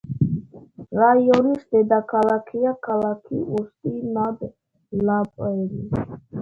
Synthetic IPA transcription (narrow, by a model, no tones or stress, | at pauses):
ɾajɔnisd̪ɛd̪akʰalakʰiakʰalakʰiʔust̪ʼinad̪ | lapʼɛɾi